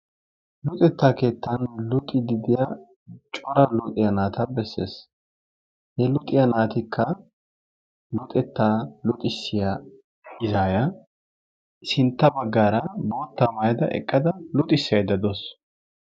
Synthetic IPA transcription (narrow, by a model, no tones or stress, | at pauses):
lʊt̪ʼɛt̪ːaːke̞ːt̪ʰːɐnlʊt̪ʼːɪd̪ɪd̪ɪja | t͡ʃʼɔɾɐlʊt̪ʼɪjɐnaːt̪ʰɐbɛsːḛːs | hɛlʊt̪ʼɪjɐnaːt̪ɪkʰːɐ | lʊt̪ʼɛt̪ːaːlʊt̪ʼɪsːɪja | ɪzaːjɐ | sɪnt̪ːɐbɐɡːaːɾɐboːt̪ːamɐjɐd̪ɐʔɛ̰kʼːɐd̪ɐlʊt̪ʼɪsːɪjɐjd̪ɐd̪os